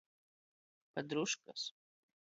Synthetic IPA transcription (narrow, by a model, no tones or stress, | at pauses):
pɐd̪ɾuʃkɐs